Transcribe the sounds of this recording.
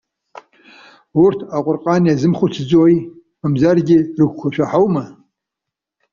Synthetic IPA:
ʊrtʰaqʷʼʊrqʼɑːniazɨmχʷʊtʰɨd͡zoj | mɨmzarɡʲɪrɨɡʷkʷʰɔʃʷᶣɐħawmɐ

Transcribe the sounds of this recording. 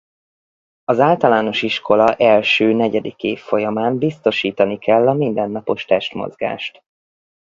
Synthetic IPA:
ɒzaːlt̪ɒlaːno̞ʃiʃkʰo̞lɒʔɛlʃøːnɛɟɛd̪ikeːfːo̞jɒmaːnbist̪o̞ʃiːt̪ɒnikʰɛlːɒmind̪ɛnːɒpo̞ʃt̪ɛʃt̪mo̰zɡa̰ːʃt̪

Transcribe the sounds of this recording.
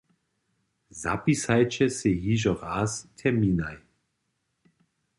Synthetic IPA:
za̰pisajt͡ʃɛsejiʒɔʁast̪ʰɛmiːnaj

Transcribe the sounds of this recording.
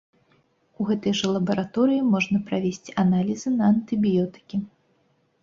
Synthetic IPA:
uɣɛt̪ɐjʐɛlˠɐbɐɾat̪ɔɾɨjimɔʐnɐpɾavʲesʲt͡sʲanalʲizɨnɐːnt̪ɨbʲijɔt̪ɨ̥kʲi

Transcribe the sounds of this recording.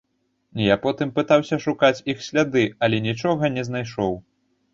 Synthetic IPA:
nʲijapɔt̪ɨmpɨt̪awsʲɐʂukat͡sʲixsʲlʲad̪ɨɐlʲɛnʲit͡ʂɔɣɐnʲɛzn̪ajʂɔw

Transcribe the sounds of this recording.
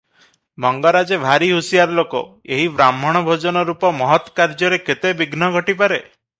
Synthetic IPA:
mɔŋɡɔɾad͡ʒebʱaɾiɦusijaɾlokɔ̰ | eɦibɾamɔɽ̃ɔbʱod͡ʒɔnɔɾupɔmɔɦɔt̪kaɾd͡ʒɔɾeket̪ebiɡnɔɡʱɔʈip̬aɾe

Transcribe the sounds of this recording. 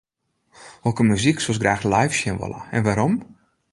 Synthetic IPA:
okəmyziksos̬ɡraːxlajfsjənʋo̰lə̰ɛ̰nʋaɾom

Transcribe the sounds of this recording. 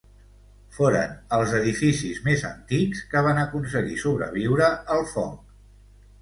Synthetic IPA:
foɾə̰nəlˠzəðifisizmezə̰nt̪ikskəβ̞anəkuns̬əɣḭsuβɾə̰β̞iwɾəəlˠfɔŋk

